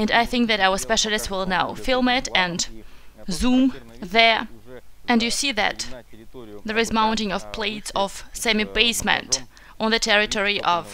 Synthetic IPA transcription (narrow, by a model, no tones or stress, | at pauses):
ɨ̃naɪθɪ̃ŋk̚ðɨɾawə˞spɛʃl̩ˠɨstswɪlˠnaʊfɪlˠmɪɾɨ̃n | zũmðə˞ | ɨ̃ndjɨsiðɨ̰t̪ | ðə˞ɨzmãʊ̃ntɪ̃ŋʌv̥pʰl̥eɪtsʌv̥sæmibeɪsmɨ̰̃nt | ʔn̩ðɨtʰɛɹɨtʰɔɹiʔʌv̥